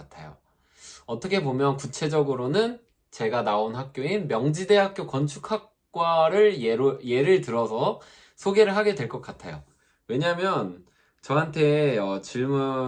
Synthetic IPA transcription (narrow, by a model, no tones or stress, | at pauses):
atʰa̰jo̰ | ʌt͈ʌkʰe̞bomjʌnkut͡ɕʰe̞d͡ʑʌɡɯɾonɯn | t͡ɕe̞ɡanaonɦak̚k͈joinmjʌŋd͡ʑide̞ɦak̚k͈jokʌnt͡ɕʰukʰak̚ | k͈waɾɯɭje̞ɾɯɭtɯɾʌsʰʌ | sʰoɡe̞ɾɯɭɦaɡe̞dwe̞ɭk͈ʌk͈atʰa̰jo̰ | we̞ɲamjʌn | t͡ɕʌɦantʰe̞ʌt͡ɕiɭmu